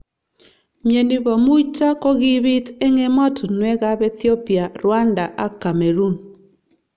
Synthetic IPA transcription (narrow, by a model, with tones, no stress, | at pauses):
mje˨ni˨βɔ˨mu˦i˦t͡ʃa˦ko˦ɣi˦βi˦te˦ŋe˦ma˦tʰu˨nwɛ˦ɣa˦βɛ˦θjo˦pi˨a˨ɾwa˦nda˨ʔa˦ka˨me˨ɾu˦n